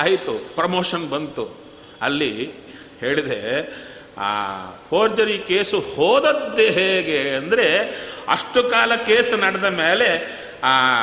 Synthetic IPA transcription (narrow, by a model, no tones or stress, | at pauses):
aːjit̪upɾɐmoːʂɐnbɐnt̪u | ɐlːi | heːɭid̪ḛ | pʰoːɾd͡ʒɐɾikeːsuhoːd̪ɐt̪ːeɦeːɡeɐnd̪ɐɾe̞ɐ̰ʂʈukaːlɐkeːsnɐɽɐd̪ɐmeːle̞